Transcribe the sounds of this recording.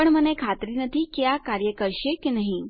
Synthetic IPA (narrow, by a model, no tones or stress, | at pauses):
pəɳmənekʰat̪ɾiːnət̪iːkjakaɾjəkəɾɕekinaɦĩ